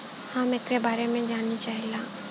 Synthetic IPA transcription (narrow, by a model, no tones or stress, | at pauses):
hamɪkɾebaːɾemẽd͡ʒaːnːit͡ʃaːɦilaː